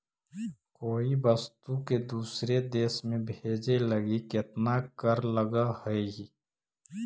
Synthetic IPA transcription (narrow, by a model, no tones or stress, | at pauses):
koːibəst̪uked̪uːsɾed̪eːsmẽbʱeːd͡ʒeləɡiket̪nakəɾləɡahəeɡi